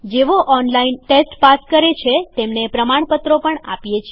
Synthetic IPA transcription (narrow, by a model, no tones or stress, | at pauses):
d͡ʒeʋoʔɔnlainʈesʈpaskəɾet͡ʃʰet̪emnepɾəmaɳ̃pət̪ɾopəɳa̰pjet͡ʃʰe